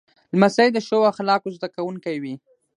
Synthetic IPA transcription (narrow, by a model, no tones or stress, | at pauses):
lmasajd̪əʃəwaxlɑkozd̪akawuŋkajwi